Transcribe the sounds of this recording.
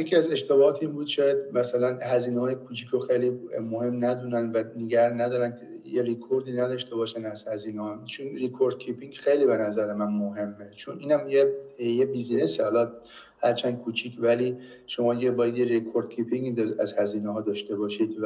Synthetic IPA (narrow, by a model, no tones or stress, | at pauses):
jecʰʲiæze̞ʃt̪ebɒɒːt̪ʰimbuːd̪̥ʃɒːjæd̪̚mæsælænhæziːnehɒːjekʰuːt͡ʃʰikʰoxejlimohe̞mnæd̪unænvæneɡæɾnæd̪ɒːɾænʰejeɾikʰoɾd̪iːnæd̪ɒːʃt̪e̞bɒːʃænæzhæziːnehɒt͡ʃʰonrekʰoɾd̪̥̚kʰipʰiŋɡxejliːbe̞næzæɾemænmoɦe̞mːet͡ʃʰonʔiːnhæmjejebizinesihɒlɒ | hæɾt͡ʃʰænd̪̚kʰuːt͡ʃʰiːcʰvæliː | ʃo̞mɒːd̪iɟebɒːjæd̪jeɾekʰoɾd̪̥̚cʰipʰiŋɡid̪æzhæziːneɦɒːd̪ɒːʃt̪e̞bɒːʃiːd̪